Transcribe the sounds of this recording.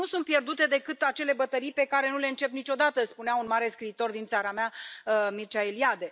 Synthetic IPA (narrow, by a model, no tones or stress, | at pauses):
nusunt̪pje̞rd̪ut̪e̞d̪e̞kɨt̪at͡ʃe̞le̞bət̪əɾijpe̞kaɾe̞nule̞ɨnt͡ʃe̞pnit͡ʃo̞d̪at̪əspuneaunmaɾe̞skɾiːt̪o̞rd̪int̪saɾamamirt͡ʃaeliad̪e̞